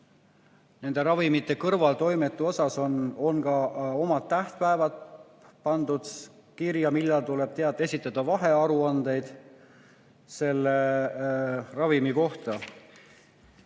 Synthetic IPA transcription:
ne̞nd̪̥e̞ɾɑvimit̪ːe̞kɤrvɑlt̪o̞jmet̪ːˑuo̞sɑso̞nonkɑo̞mɑt̪ːæht̪̚pæevɑt̪ | pɑnd̪̥ud̪̥ | kiɾjɑmilːɑlt̪ule̞b̥t̪eɑt̪ːˑe̞sʲit̪ːˑɑd̪̥ɑvɑɦe̞ɑɾuɑnd̪e̞jd̪̥ | se̞lːe̞ | rɑvimiko̞ht̪ɑ

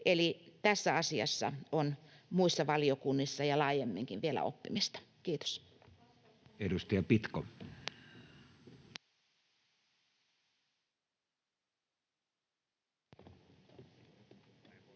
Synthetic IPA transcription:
elit̪æsːæɑsiɑ̰sːɑ̰onmuisːɑʋɑliokunːisːɑjɑlɑːjemːiŋkiʋʋielæ̰o̰pːimist̪ɑ̥ | kiːt̪o̥s | edust̪ɑjɑpit̪ko

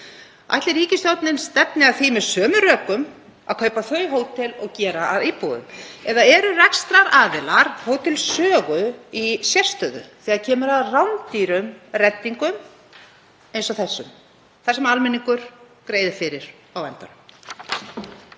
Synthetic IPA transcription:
a̰ht̪lɪɾiːcɪst̪jɔt̪nɪnst̪ɛpnɪaðθimɛðsœːmʏrœːkʏm | aðkʰœːɥpaθœɥɦoːwt̪ʰɪlɔɣcɛːɾaaðipuːðʏ̰mɛðaɛɾʏrɛkst̪ɾaɾaːðɪlaɾ̥hoːwt̪ʰɪlsœːɣʏisjɛr̥st̪œːðʏ̰θɛːɣaðcʰɛːmʏɾaðrawnt̪iːɾʏmrɛt̪ːiŋkʏm | ejnsɔθɛsːʏm | θasɛmalmɛniŋkʏɾ̥ | kɾeːjðɪfɪɾɪɾ̥ | awvɛnt̪anʏm

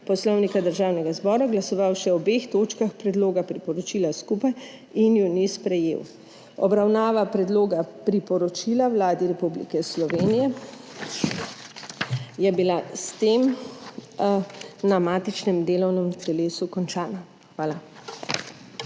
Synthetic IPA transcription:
pɔslɔwnikad̪əɾʒaːwnɛɡazbɔːɾaɡlasɔʋawʃɛɔbext̪oːt͡ʃkaxpɾɛd̪loːɡapɾipɔɾɔt͡ʃiːlaskupaj | injunispɾɛjḛːw | ɔbɾawnaːʋapɾɛd̪loːɡapɾipɔɾɔt͡ʃilawlaːd̪iɾɛpublḭkɛslɔʋeːnijɛ | jɛbilast̪em | namaːt̪it͡ʃnɛmd̪eːlɔwnɛmt̪ɛleːsukɔnt͡ʃaːna | xʋaːla

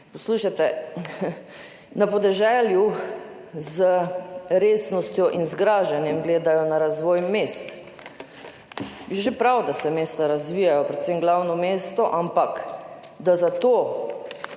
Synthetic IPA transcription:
pɔsluːʃat̪ɛ | napɔd̪ɛʒɛlju | zəɾeːsnɔst̪jɔʔinzɡɾaːʒanjɛmɡleːd̪ajɔnaɾazʋɔːjmest̪ | ʒepɾawd̪asɛmeːst̪aɾazʋiːjajɔpɾɛt̪semɡlawnɔmeːst̪ɔʔampak | d̪azat̪o

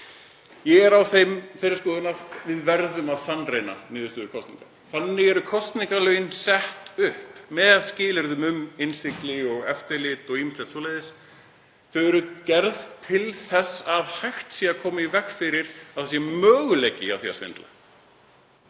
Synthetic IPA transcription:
jɛɣɛɾawθejmfejɾɪɾ̥skɔːðʏnavɪðvɛɾðʏmaðsanːɾejna̰nɪːðʏst̪ʏːðʏɾkʰɔst̪nḭŋka̰ | θanːɪɣɛɾʏkʰɔst̪niŋkalœːjɪnsɛht̪ʏhpmɛðaðscɪːlɛɾðʏmʏmɪnst̪ɪklɪɔɣɛft̪ɛlɪt̪ɔɣiːmɪslɛt̪sɔlejðɪs | θœɥɛɾʏcɛɾðt̪ʰɪlθɛsaðhajxt̪siːakʰɔːmaivɛxfɪɾɪɾaðθasjɛmœːɣʏleːjcːɪa̰θia̰svɪ̰nt̪la̰

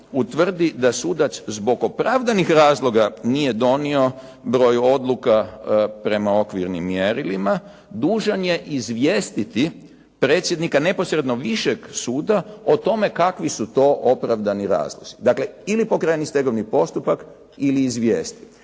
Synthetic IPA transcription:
ut̪ʋr̩d̪id̪asud̪aszbo̞ɡopɾaʋd̪anixɾaːzlˠo̞ɡanije̞d̪o̞nio̞ | bɾo̞juo̞d̪lˠukapɾe̞mao̞kʋiɾnḭmːjeɾilima | d̪uːʒanje̞ʔizʋjeːst̪it̪i | pɾe̞ːt̪sʲje̞d̪nikane̞po̞sɾe̞d̪no̞ʋiʃeɡsuːd̪aot̪o̞me̞kakʋisut̪o̞ʔopɾaʋd̪aniɾa̰ːzlˠoz̥id̪akle̞ilipokɾajenist̪eɡo̞ʋnipo̞st̪upak | iliːzʋjeːst̪i̥t̪

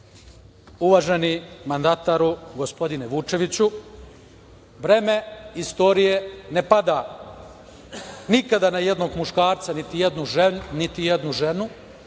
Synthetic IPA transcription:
uʋaːʒe̞nimand̪at̪aɾuɡo̞spo̞d̪ineʋut͡ʃe̞ʋit͡ɕu | ʋɾe̞ːme̞ist̪o̞ɾije̞ne̞pad̪a | nikad̪anaje̞d̪no̞ɡmuʃkaːɾt̪sanit̪ijed̪nunit̪ijed̪nuʒe̞nu

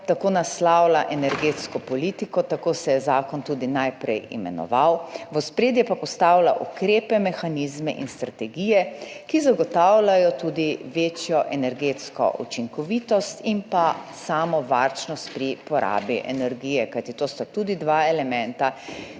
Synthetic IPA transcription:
t̪akoːnaslawlaʔɛnɛɾɡeːt̪skɔpɔlit̪ikɔt̪akoːsɛjɛzaːkɔnt̪uːd̪inajpɾɛ̰jḭmɛ̰nɔ̰ʋawʋəspɾeːd̪jɛpapɔst̪awlaʔukɾeːpɛmɛxanizmɛʔḭnst̪ɾat̪ɛɡiːjɛkizaɡɔt̪awlajɔt̪uːd̪iʋeːt͡ʃjɔʔɛnɛɾɡeːt̪skɔ̰ʔṵt͡ʃiŋkɔʋiːt̪ɔst̪inpasaːmɔʋaɾt͡ʃnɔst̪̚pɾipɔɾʔa̰ːbiʔɛ̰nɛɾɡiːjɛkajt̪it̪oːst̪at̪uːd̪id̪ʋaɛlɛmɛ̃nt̪a

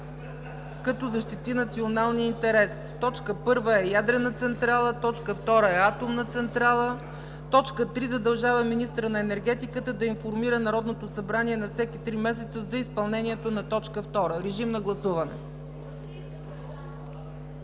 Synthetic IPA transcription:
kɐt̪ɔzɐʃt̪it̪inɐt̪sionalˠniint̪ɛɾɛs | t̪ɔt͡ʃkəpɤɾvəɛjad̪ɾɛnət̪sɛnt̪ɾalˠət̪ɔt͡ʃkəft̪ɔɾəɛat̪omnət̪sɛnt̪ɾalˠə | t̪ɔt͡ʃkət̪ɾizɐd̪ɐlˠʒavəminist̪ɾənɐɛnɛɾɡ̟ɛt̪ikət̪əd̪ɐinfoɾmiɾənɐɾɔd̪not̪osɐbɾaniɛnɐfsɛkit̪ɾimɛs̬ɛt̪səzɐispɐlˠnɛniɛt̪onɐt̪ɔt͡ʃkəft̪ɔɾəɾɛʒimnɐɡlˠɐsuvɐnɛ̰

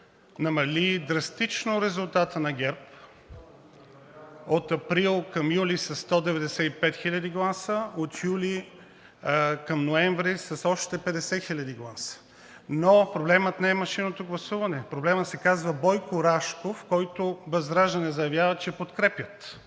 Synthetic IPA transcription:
nɐmɐlʲid̪ɾɐst̪it͡ʃnoɾɛzʊlˠt̪at̪ənɐɡʲɛɾp | ot̪ɐpɾilˠkɐmjulisɐsːt̪ɔd̪ɛvɛd̪ɛsɛipɛt̪xilʲɐd̪iɡlˠasəot̪juli | kɐmnoɛɱvɾisɐsɔʃt̪ɛpɛd̪ɛsɛxilʲɐd̪iɡlˠasə̥ | nopɾoblɛmət̪nɛːmɐʃinot̪oɡlˠɐsuvɐnɛpɾoblɛmət̪sɛkazvəbɔjkoɾaʃkofkɔjt̪obɐzd̪ɾaʒd̪ɐnɛzɐjɐvjavət͡ʃɛpot̪kɾɛpjət̪

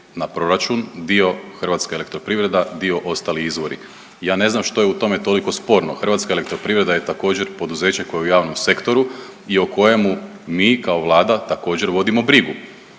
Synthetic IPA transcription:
napɾo̞ɾat͡ʃund̪io̞xr̩ʋat̪skaele̞kt̪ɾo̞pɾiʋɾe̞d̪ad̪io̞ʔo̞st̪aliizʋo̞ɾḭ | jaːne̞znamʃt̪o̞jeut̪o̞me̞t̪o̞liko̞spo̞ɾnoxr̩ʋat̪skaele̞kt̪ɾopɾiʋɾe̞d̪ajet̪ako̞ːd͡ʑe̞ɾpo̞d̪uze̞ːt͡ɕeko̞jeujaːʋno̞mse̞kt̪o̞ɾuioko̞je̞mumiːkaoʋlˠaːd̪at̪ako̞ːd͡ʑe̞ɾʋo̞d̪imo̞bɾiɡu

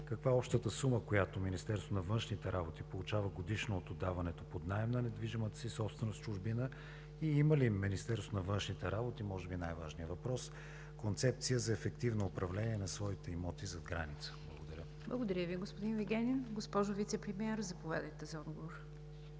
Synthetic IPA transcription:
kɐkvaɔpʃt̪ət̪əsuməkojat̪ominist̪ɛɾsonɐvənʃnit̪ɛɾabot̪ipolˠut͡ʃavəɡod̪iʃnoːt̪od̪avɐnɛt̪opod̪naɛmnənɛd̪viʒimət̪ə̥sisɔpst̪vɛnost͡ʃuʒbinə | iiməliminist̪ɛɾst̪onɐvɤnʃnit̪ɛɾabot̪imɔʒɛbinajvaʒniəvɐpɾɔs | kont̪sɛp̚t̪sijəzɐɛfɛkt̪ivnoːpɾɐvlɛniɛnɐsvɔit̪ɛimɔt̪izɐɡɾa̰nit̪sə̥blˠəɡod̪ɐɾʲə | blˠɐɡod̪ɐɾʲəviɡospʊd̪inviɡʲɛnʲinɡospɔʒʊvit̪sɛpɾɛmiɛɾzɐpovʲja̰d̪əjt̪ɛzɐɔd̪ɡovoɾ

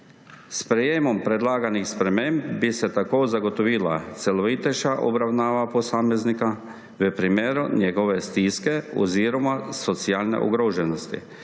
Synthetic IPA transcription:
spɾejemompɾed̪laːɡanixspɾemembbisɛt̪akoːzaɡot̪oʋiːla̰t̪seloʋit̪eʃaʔo̰bɾawnaːʋaposaːmeznika | ʋəpɾimeːɾunjeɡoʋest̪iskeo̰ziːɾomasot̪siaːlnḛʔṵɡɾoːʒɛnost̪ḭ

